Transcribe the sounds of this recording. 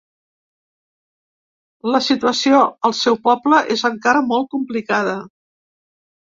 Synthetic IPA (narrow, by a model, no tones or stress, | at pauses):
ləsit̪uəsioəlˠsɛwpɔbləʔezəŋkaɾəmɔlˠt̪̚kumplikaðə